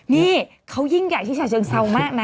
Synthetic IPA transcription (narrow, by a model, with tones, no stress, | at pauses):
ŋi˧˩ | xə˧wzi˧˥ŋɣa̰ː˧˩jt͡ɕʰi˧˥˦aː˧˩zə˨˧˩ŋsa˧wmaː˦˥na˨